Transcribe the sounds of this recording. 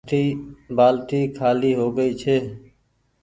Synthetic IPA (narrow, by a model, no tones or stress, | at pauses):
t̪iːbaːlt̪iːkʰaːliːɦoːɡəiːt͡ʃʰeː